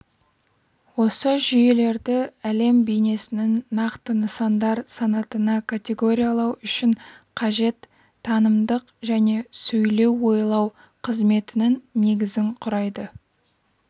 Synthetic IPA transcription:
wo̞səʒʏje̞le̞ɾd̪ɪæle̞mbejne̞sɪnɪnːɑqt̪ənəsɑnd̪ɑɾsɑnɑt̪ənɑkʰat̪ʲe̞ɡo̞ɾʲijɑlˠɑwʏʃɪnqʰɑʒe̞t̪ʰː | ɑnəmd̪əqʒæne̞sɵjle̞wːo̞jlˠɑw | qʰəzme̞t̪ɪnɪnːe̞ɡʲɪzɪɴqʰʊɾɑjd̪ə

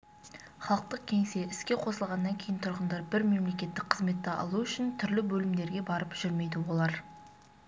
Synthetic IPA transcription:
χɑlˠəq̚t̪əq̚kʲʰe̞ŋse̞ɪskʲe̞qʰo̞səlˠʁɑnːɑŋkʲʰe̞jɪnt̪ʰʊɾʁənd̪ɑɾbɪɾme̞mle̞kʲe̞t̪ːɪk̚qʰəzme̞t̪ːɪɑ̰lˠuʏʃɪnt̪ʰʏɾlɪbɵlɪmd̪e̞ɾɡʲe̞bɑɾəpʒ̥ʏɾme̞jd̪ɪwo̞lˠɑɾ

